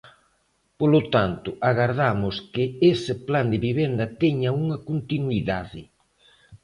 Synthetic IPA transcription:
polot̪ant̪ʊʔaɣaɾðamʊskɪesɪpland̪ɪβiβ̞ɛnd̪ɐt̪ɛɲɐuŋɐkont̪inwiðaðɪ

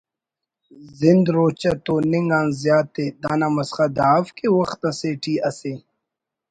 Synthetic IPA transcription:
zɪnd̪ɾoːt͡ɕɐt̪oːniŋɡãːnzjaːt̪ːed̪aːnamɐsχad̪aːfkewɐxt̪ɐ̃seːʈʰiːɐseː

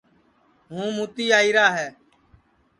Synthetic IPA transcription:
ɦũːmuːt̪iːaːiːɾaːɦɛː

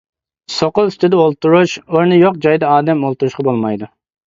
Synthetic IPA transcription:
soqʊlˠst̪ʰɪd̪ɛolˠt̪uɾuʃoɾnɨjoq̚d͡ʒɑjd̪ɑɑːd̪ɛmolˠt̪uɾuʃqɑbolˠmɑjd̪u

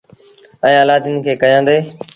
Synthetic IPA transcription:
ə̃ːəːlaːd̪ɪnkʰeːkəjãːnd̪eː

